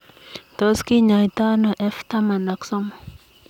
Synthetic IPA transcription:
t̪ɔ˦ski˦ɲa˨jt̪a˦nɔ˨ʔɛ˦ft̪a˦ma˨na˨ksɔ˦mɔ˨

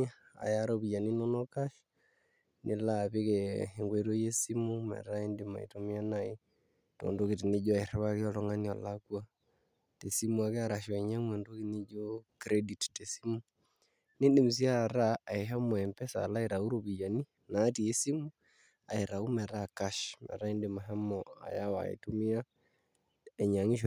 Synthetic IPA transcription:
a˦ | a̰˨ja˨ɾoβi˨ja˨ni˦no˦nɔ˦ka˦ʃ | nʔɪ˦la˦˨βɪ˦kɛ˨e˨ŋɡwe˨ɾo˦je˦si˦mu˦mɛ̰˨ɾa˦e˦ndi˦ma̰˨ḭ˨to˦mi˦a˦na˦ɪ˦ | to̰˨ndo˦ki˨ti˨nɪ˦d͡ʒo˦a˨e˨ɾa˦βa˦ke˦ɔ˦lɔ˦ŋa˦ni˦ɔ̰˨la˦kwa˦ | te˨si˦mu˦a˨ke˦a˨ɾa˨ʃɛ˨ɲa˦mwe˨ndo˦ki˦nɪ˦d͡ʒo˦kɾe˦di˨tte˨si˦mu˦ | ne˦ndɪ˨m˨s̬i˦a˦˨ɾa˦a˨ɪ˨ɦɛ˦mɔ˨ɛ˨mpɛ˦sa̰˨la˦i˨ɾa˨u˦ɾo˨bi˨d͡ʒa˨ni˦ | na˨˦ti˨e˦si˦mu˦ | a̰˨i˨ɾa˨u˦mɛ˨ɾa˦˨ka˦ʃmʔɛ̰˨ɾa˦i˦ndɪ˨ma˨ɦɛ˦mɔa̰˨ja˦wa̰˨ḭ˨to˦mɪ˦a˦ | ɛ˨ɲa˨ŋi˦ʃ

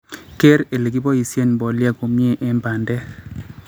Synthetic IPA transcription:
ke˦ɾe˨le˨ɡi˦bɔ˦i˨sje˦˨n˨bɔ˨lja˦ko˨mje˦ʔɛ˦mba˨ndɛ˦

